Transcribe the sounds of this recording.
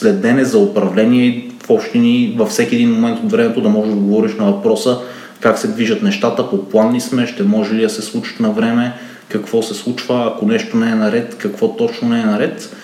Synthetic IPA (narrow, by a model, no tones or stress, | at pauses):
slɛd̪ːɛnɛzɐopɾɐvlɛniɛ | fɔpʃt̪inivɐfsɛkʲiɛd̪inmomɛnt̪ot̪vɾɛmɛt̪od̪ɐmɔʒɛd̪ɐɡovɔɾiʃnɐvɐpɾɔsə | kaksɛd̪viʒɐt̪nɛʃt̪at̪əpoplˠanːismɛʃt̪ɛmɔʒɛlid̪ɐsɛslˠut͡ʃi̥t̪nɐvɾɛmɛ | kɐkvɔsɛslˠut͡ʃvəɐkonɛʃt̪onɛɛnɐɾɛt̪kɐkvɔt̪ɔt͡ʃnonɛɛnɐɾɛt̪